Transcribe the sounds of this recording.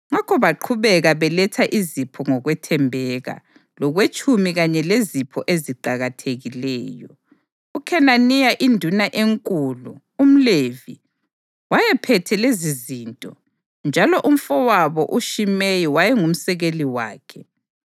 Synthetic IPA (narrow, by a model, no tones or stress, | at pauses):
ŋakʰɔβaǃʰuβɛɣaβɛlɛtʰaʔizipʰɔŋɔɣwɛtʰɛmbʱɛɣa̰ | lɔɣwet͡ʃʼʰumiɣaɲɛlezipʰɔʔeziǃaɣatʰeɣilɛːjɔ | ukʰɛnanijaʔindʱunaʔeŋkʼulu | um̩levi | wajɛpʰɛtʰɛlezizintʼɔ | nd͡ʒʱalɔʔum̩fɔwaβɔʔuʃimejiwajɛŋum̩sɛɣeliwa̰ːkʰɛ